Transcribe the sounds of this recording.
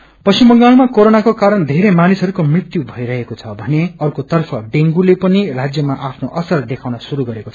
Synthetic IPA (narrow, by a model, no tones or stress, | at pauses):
pʌsimʌŋɡalmakoɾonakokaɾʌnd̪ʱeɾemanisʌɾukomrit̪jubʱʌiɾʌɦekot͡sʰʌbʱʌneʌrkot̪ʌrpʰʌɖeŋɡulepʌnirad͡zjʌmaʔapʰnoʔʌsʌrd̪ekʰaw̃nʌsuɾuɡʌɾekot͡sʰʌ̥